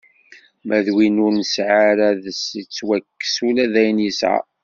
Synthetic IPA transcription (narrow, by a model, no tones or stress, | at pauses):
mʔæðwinʊɾnəsʕaɾæðəsit͡sːwækːə̥sulæðæjnisa̰